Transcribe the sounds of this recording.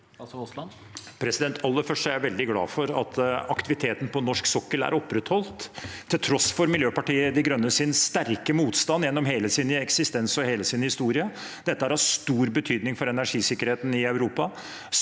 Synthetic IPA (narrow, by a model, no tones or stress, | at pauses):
pʰɾɛsɪd̪ɛnt̪ʰɑlːəfœʂʈæɾjæʋɛld̪ɪɡlɑ̰ːfɔɾɑ̰t̪ʰɑkt̪ɪʋɪt̪ʰeːt̪n̩pʰɔnɔʂksɔkːəlæ̰ɾʔɔpːɾɛt̪hɔlt̪ʰːɪlt̪ʰɾɔsfɔɾmɪljøːpɑʈiːəd̪ɪɡɾœnːəsɪnst̪æɾkəmuːt̪st̪ɑnjɛnːɔmɦeːləsinəɛksɪst̪ɛnsɔheːləsɪnəhɪst̪uːɾɪə | d̪̥ɛt̪ːəhæːɾɑʂt̪uːɾbət̪ʰyːd̪nɪŋfɔɾɛnæʂiːsɪkːəɾheːt̪n̩ɪɑʉɾuːpɑ